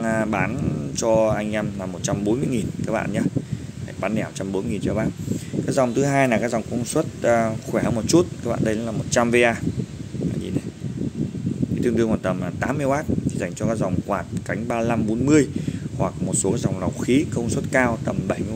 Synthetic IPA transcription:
ɓaː˨˦nt͡ɕɔ˧ʔa˧jŋ̟ʔɛ˧mlaː˨˩mo˨˩t̚t͡ɕa˧mɓo˨˦nmɨ˧əjŋi˨˩nkaː˦˥k̚ɓa̰ː˧˨nɲa˧ha˧˩jɓaː˨˦nɗɛ˧˩˨o˨˩t̚t͡ɕa˧mɓo˨˦n˧ŋi˨˩nt͡ɕə˧˦˩ɓaː˧kaː˦˥k̚za˨˩wŋ͡mt̪ʰɨ˨˦ɦaː˧jnaː˨˩kaː˦˥k̚zwŋ͡mkə˧wŋ͡mswə˦˥t̚ːxwɛ˧˩hə˨˧˦mo˨˩t̚t͡ɕu˦˥t̚kaː˦˥kɓa̰ː˧˨ɗə˧jla˨˦laː˨˩mo˨˩t̚t͡ɕa˧mve˧ʔaː˧a̰ː˧˩jzḭ˨˩ne˨˩ | kːt̪ɨ˧ət̪ɨ˧əŋwaː˨˩t̪ə˨˩m˨˩t̪aː˨˦mːɨ˧əjɓaː˦˥t̚t̪ʰi˨˩za˧˩jŋ̟t͡ɕɔ˧kaː˦˥k̚za˨˩wŋ͡mkwaː˨˩t̚ka˨˦jŋ̟ɓaː˧la˧mɓo˨˦nmɨ˧əjhwa˨˩k̚mo˨˩t̚so˨˦kaː˦˥k̚za˨˩wŋ͡mla˨˩wxi˨˦kə˧wŋ͡mswə˦˥t̚kaː˧wt̪ə˨˩mɓə˧˩jm˧˦

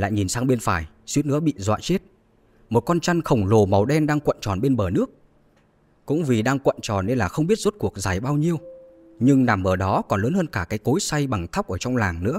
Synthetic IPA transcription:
la̰ː˧˨jɲi˨˩nsaː˧ŋɓe˧nfaː˧˩j | swi˨˦˥ənɨ̰˧˥əɓḭ˧˨zwa̰ː˧˨t͡ɕe˦˥t̚ | mo˨˩t̚kɔ˧nt͡ɕa˧nxə˨˩wŋ͡mlo˨˩ma˨˩wɗɛ˧nɗaː˧ŋkwə̰˧˨nt͡ɕɔ˨˩nɓe˧nɓəː˨˩nɨ˦˥ək̚ | kʊ̰˧˥ŋ͡mvi˨˩ɗaː˧ŋkwə̰˧˨nt͡ɕɔ˨˩nːe˧nlaː˨˩xə˧wŋ͡mɓi˦˥ət̚zo˦˥t̚ku˨˩ək̚zaː˨˩jɓaː˧wɲi˧əw | ɲɨ˧ŋna˧˩mʔəː˧˩ɗɔ˨˦kɔ˨˩nləː˨˦nhəː˧nkaː˧˩kaː˨˦jko˨˦jsa˧jɓa˨˩ŋt̪ʰa˦˥k͡p̚ʔəː˧˩t͡ɕɔ˧wŋ͡mlaː˨˩ŋnɨ̰˧˥

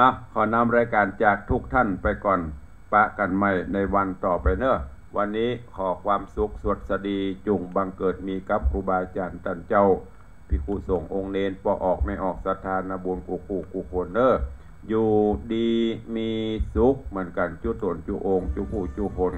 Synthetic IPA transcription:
nɔ˧kʰaː˨˩na˧˥˨mɾaː˧˥jkaː˨˩nt͡ɕaː˨˩k̚t̪ʰu˧˩k̚t̪ʰa˧˥˨npa˨jkɔː˨˩n | pa˧˥ʔka˨˩nma˧˩˨jna˧˩jwa˧nt̪ɔː˨˩pa˨jnɤ˧˩ | wa˧nːiː˦˥˨kʰɔː˨˦kʰwaː˧msu˧˦k̚su˧˩ət̪̚sa˧diː˧t͡ɕu˧˩ŋba˧ŋkɤː˨˩t̪̚miː˧ka˧˦˥p̚kuː˧baː˧t͡ɕaː˨˩nt̪a˧˩˨nt͡ɕa˧˨w | pʰi˧˩kʰu˧˨so˨˦ŋʔo˧ŋneː˧npɔː˧ʔɔː˨˩k̚ma˧˩jʔɔː˨˩k̚sa˧t̪ʰaː˧na˧bu˧˦nkuː˧˩kuː˧˩kuː˧˩˨kʰo˧nːɤː˧˥˨ | juː˧diː˧miː˧su˦˥k̚mɯ˨˦ənka˨˩nt͡ɕuː˧˦t̪o˨˦nt͡ɕu˧ʔoː˧ŋt͡ɕu˧kʰuː˧˩˨t͡ɕu˧˨kʰo˧˦n

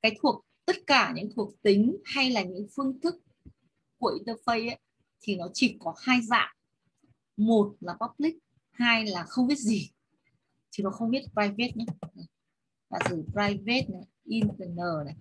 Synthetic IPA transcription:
kaː˨˦jt̪ʰu˨˩ək̚t̪ə˦˥t̚kaː˧˩ɲɨ̰˧˥ŋt̪ʰu˨˩ək̚t̪ï˨˦ŋ̟ha˧jlaː˨˩ɲɨ̰˧˥ŋfɨ˧əŋt̪ʰɨ˦˥k̚ː | u˧˩əʔi˧nt̪əː˧fə˧jʔa˨˦ | t̪ʰi˨˩nɔ˨˦t͡ɕi˧˩kɔ˨˦haː˧jza̰ː˧˨m | mo˨˩t̚laː˨˩pɔ˦˥p̚lï˦˥k̚ | haː˧jlaː˨˩xə˧wŋ͡mɓi˦˥ət̚zi˨˩ | t̪ʰi˨˦nɔ˨˦xə˧wŋ͡mɓi˦˥ət̚pzaː˧jve˦˥t̚na˨˧˦na˨˩ | la̰ː˨˩zɨ˨˧˩pɾaː˧jve˦˥t̚na˨˩ʔi˧nt̪ə˧˩nəː˨˩na˨˩j

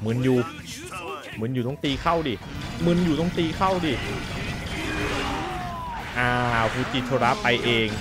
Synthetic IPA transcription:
mɯ˩˦njuː˨˩ | mɯ˩˦njuː˨˩ɔ˥˩ŋt̪iː˧kʰa˥˩wdiː˧˩ | mɯ˧˥njuː˨˩t̪ɔ˥˩ŋt̪iː˧kʰa˥˩wdiː˧˩ | ʔaː˧˩fʰuː˧t͡ɕiː˧˩t͡ɕʰoː˧ɾa˦˥pa˧jʔeː˧ŋ

